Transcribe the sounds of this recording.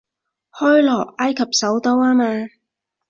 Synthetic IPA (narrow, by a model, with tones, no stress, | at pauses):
hɔː˥jlɔː˨˩k̚aː˥jkʰɐ˨p̚sɐ˨˥wt̪o˥waː˥maː˧